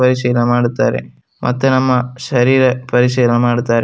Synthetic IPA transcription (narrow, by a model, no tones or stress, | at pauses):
pɐɾisijlɐmaːɽut̪ːaːɾḛ | mʔɐ̰t̪ːenɐmːɐʃɐɾiːɾɐpɐɾisijɐlɐmaːɽut̪ːaːɾe